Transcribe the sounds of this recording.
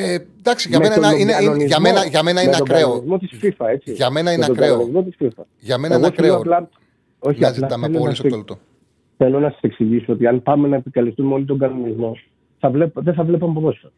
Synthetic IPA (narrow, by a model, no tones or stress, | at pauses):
ed̪ɐksiɐmeoɐonizɐmenɐʝɐmenɐimɐt̪oɡoizmo̞t̪isfifɐe̞t͡siʝɐmenɐimet̪oɡɐnonizmo̞t̪isfifɐ | ʝɐmeeɣoθloɐplɐ | o̞çiɐlɐθelonɐsst̪ | θe̞lonɐsɐ̥se̞ksiʝisuo̞t̪iɐnpɐme̞nɐepikɐlist̪umeo̞lit̪o̞ɡɐno̞nizmo̞ | θɐvlepðeθɐvle̞pɐmpɾo̞sfet